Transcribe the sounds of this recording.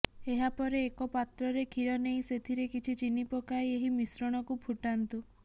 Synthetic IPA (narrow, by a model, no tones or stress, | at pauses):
eɦapɔɾeːkɔpat̪ɾɔɾekʰiɾɔneĩset̪ʰiɾekit͡ʃʰit͡ʃinipɔkaeeɦimisɾɔɽ̃ɔkupʰuʈant̪u